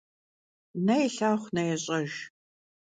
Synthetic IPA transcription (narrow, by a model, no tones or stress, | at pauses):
nɐjɛɬaːχʷnɐjɛɕʼɐʒ